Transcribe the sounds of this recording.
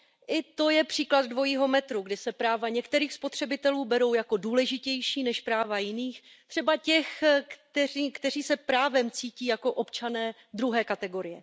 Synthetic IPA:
ʔɪt̪o̞jɛpr̥iːklad̪̚dvo̞jiːɦo̞mɛt̪ɾuɡdɪsɛpɾaːvaɲɛkt̪ɛɾiːxspo̞t̪r̥ɛbɪt̪ɛluːbɛɾo̞wjako̞duːlɛʒɪcɛjʃiːnɛʃpɾaːvajɪniːx | t̪r̥ɛbacɛxkt̪ɛriːkt̪ɛriːsɛpɾaːvɛmt͡siːciːjako̞ʔo̞pt͡ʃanɛː | d̪ɾuɦɛːkat̪ɛɡo̞ɾɪjɛ

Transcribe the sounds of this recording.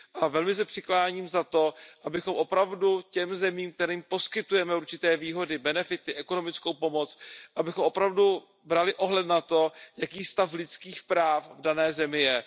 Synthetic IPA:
ʔavɛlmɪs̬ɛpr̥ɪklaːɲiːmzat̪o̞ʔabɪxo̞mʔo̞pɾavducɛmzɛmiːmk̚t̪ɛɾiːmpo̞skɪt̪ujɛmɛuɾt͡ʃɪt̪ɛːviːɦo̞dɪbɛnɛfɪt̪ɪʔɛko̞no̞mɪt͡skowpo̞mo̞t͡sʔabɪxo̞mʔo̞pɾavdu | bɾalɪʔo̞ɦlɛt̪nat̪o̞jakiːst̪aflɪt͡skiːxpɾaːfvdanɛːzɛmɪjɛ

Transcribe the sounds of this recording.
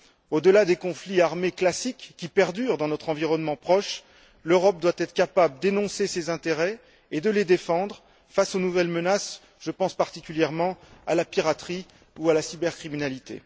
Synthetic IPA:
od̪əlad̪ekɔ̃fliaʁmeklasikːipɛʁd̪yʁd̪ɑ̃nɔt̪χɑ̃viʁɔnmɑ̃pχɔʃ | løʁɔp̚d̪wat̪ɛt̪χə̥kʲapabləd̪enɔ̃sesezɛ̃t̪eʁɛ | ed̪əled̪efɑ̃d̪ʁ | fasonuvɛlmənas | ʒ̥əpɑ̃spaʁt̪ikʲyljɛʁmɑ̃alapiʁat̪χi | ualasibɛʁkχiminalit̪ḛ

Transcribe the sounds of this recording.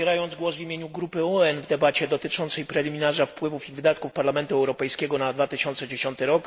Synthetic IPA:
ɛɾajɔnd̪zɡwɔzvʲimʲjeɲuɡɾupɘɔɛnvd̪ɛbat͡ɕɛd̪ɔt̪ɘt͡ʂɔnt̪sɛjpɾɛlʲimʲinaʐafpwɘvufivɘd̪at̪̚kufpaɾlamɛnt̪uɛwɾɔpɛjskʲɛɡɔnad̪vat̪ɘɕɔnt̪sɛd͡ʑeɕɔnt̪ɘɾɔk

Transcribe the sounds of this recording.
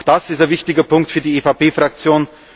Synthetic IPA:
xd̥asɪstɛɐvɪçtɪɡɐpʰʊŋktfyːɐdiefaːpeːfʁak̚t͡sjoːn

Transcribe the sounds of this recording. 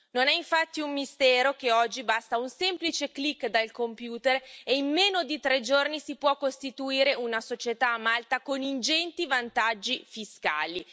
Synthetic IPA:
nonɛiɱfat̪ːiumːist̪ɛːɾokeɔd͡ʒːibast̪aunsemplit͡ʃeklikːd̪alkompjuːt̪ereimmeːnod̪it̪ɾed͡ʒornisipwɔkːost̪it̪uiːɾeunasot͡ʃet̪aːmalt̪akonind͡ʒɛnt̪ivant̪ad͡ʒːifiska̰ːli

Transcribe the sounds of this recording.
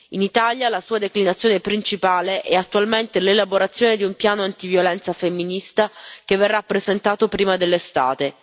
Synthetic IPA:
init̪aljalasuːad̪eklinat̪sːjoːnepɾint͡ʃipaːleʔɛat̪ːualment̪elelaboɾat̪sːjoːned̪iumpjaːnoant̪ivjolɛnt̪safemːinist̪akevːerːapːɾezent̪aːt̪opɾiːmad̪elːest̪a̰ːt̪e

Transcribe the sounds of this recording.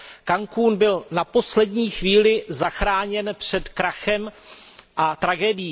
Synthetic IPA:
kaŋkuːnbɪlnapo̞slɛdɲiːxviːlɪzaxɾaːɲɛnpr̝̥ɛt̪kɾaxɛm | ʔat̪ɾaɡɛːdɪjiː

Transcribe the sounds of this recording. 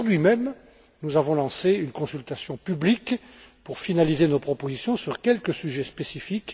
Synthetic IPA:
uʁd̪ɥimɛm | nuzavɔ̃lɑ̃seynkɔ̃sylt̪asjɔ̃pyblik | puʁfinalizenopχɔpozisjɔ̃syʁkʲɛlkəsyʒɛspesifik

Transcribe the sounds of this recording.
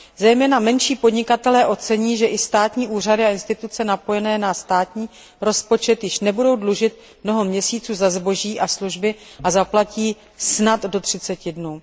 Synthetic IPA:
zɛjmɛːnamɛnʃiːpo̞dɲɪkat̪ɛlɛːʔo̞t͡sɛɲiːʒɛʔɪst̪aːt̪ɲiːʔuːr̝adɪaɪnst̪ɪt̪ut͡sɛnapo̞jɛnɛːnast̪aːt̪ɲiː | ɾo̞spo̞t͡ʃɛt̪jɪʃnɛbudo̞wdluʒɪt̪̚ | mno̞ɦo̞mɲɛsiːt͡suːzazbo̞ʒiːʔasluʒbɪʔazaplaciː | snat̪do̞t̪r̥ɪt͡sɛcɪdnuː

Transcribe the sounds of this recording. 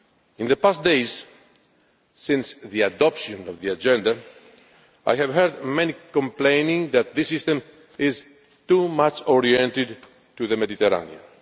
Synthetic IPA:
ɪ̃nðəpas̚d̪eɪz̥ | sɪ̃nsðiadɔpʃɨ̃nɔvðiad͡ʒɛ̃nd̪a | a̰jhævɦɜɾd̪mɛnikə̃mplẽɪ̃nɪ̃ŋðæt̪̚ðɪsɪst̪ə̃m | ɪz | t̪umat͡ʃɔɹiɛ̃nt̪ɪd̪̚ | tuðəmɛd̪it̪ɛɾa̰niə̰̃n

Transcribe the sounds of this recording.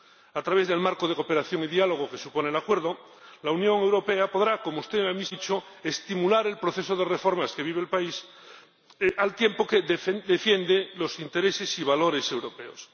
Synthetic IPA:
at̪ɾaβe̞zðe̞lmaɾko̞ðeko̞pe̞ɾaθjo̞ŋiðialo̞ɣ̞oke̞supo̞nelakwe̞ɾðo | launjõ̞ŋe̞wɾo̞pe̞apo̞ðɾakomoust̪emamit͡ʃo | est̪imulaɾe̞lpɾoθe̞soð̞erefo̞ɾmaske̞βiβeːlpais | ʔalt̪je̞mpokeðd̪efje̞nd̪elo̞sint̪e̞ɾese̞siβ̞alo̞ɾe̞se̞wɾo̞pe̞o̰s

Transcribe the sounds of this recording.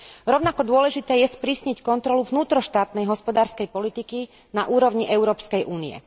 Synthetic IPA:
ɾɔʊnakɔd̪ʊɔlɛʒit̪ɛːjɛspɾiːsɲɛckɔnt̪ɾɔluvnuːt̪ɾɔʃt̪aːt̪nɛjɦɔspɔd̪aːɾskɛjpɔlit̪iki | naʔuːɾɔʊɲiʔɛʊɾɔːpskɛjʔuːniɛ̰

